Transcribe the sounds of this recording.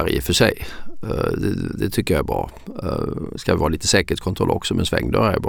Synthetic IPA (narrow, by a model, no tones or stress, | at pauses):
ɾjəfœʂɛj | d̪ɛd̪ɛt̪ʰʏkːəjɑæbɾɑ̰ː | skaʋɪvɑːliːt̪əsɛːkəʈkʰɔnt̪ʰɾɔlʔɔksɔmɛnsvɛŋːd̪œːɾæɾjbɾ